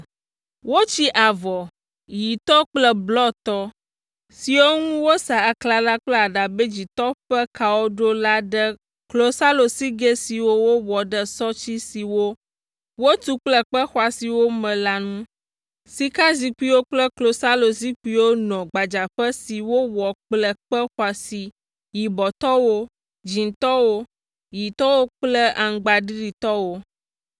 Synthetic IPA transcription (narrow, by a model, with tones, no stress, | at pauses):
wo˦t͡ɕi˦ʔa˨vɔ˨ | ji˨t̪ɔ˦k͡plɛ˦blɔ˦t̪ɔ˦ | si˨wo˦ŋũ˦wo˦sa˨a˨kla˨la˦k͡plɛ˦a˨ɖa˨be˦d͡ʑi˨t̪ɔ˦ɸɛ˦ka˨wo˦ɖo˦la˦ɖə˦ | klo˦sa˦lo˨si˦ɡe˦si˨wo˦wo˦wɔ˨ɖə˦sɔ˦t͡ɕi˦si˨wo˦ | wo˦t̪u˦k͡plə˦k͡pə˦xwa˨si˨wo˦mɛ̃˨la˨nũ˦ | si˨ka˦zi˨k͡pi˦wo˦k͡plə˦klo˨sa˦lo˨zi˦k͡pi˦wo˦nɔ̃˨ɡ͡ba˨d͡ʒa˨ɸə˦si˨wo˦wɔ˨k͡plə˦k͡pə˦xwa˨si˨ | ji˨bɔ˨t̪ɔ˦wo˦ | d͡ʑi˨nt̪ɔ˦wo˦ | ji˨t̪ɔ˦wo˦k͡plə˦a˨ŋ˨ɡ͡ba˨ɖi˦ɖi˨t̪ɔ˦wo˦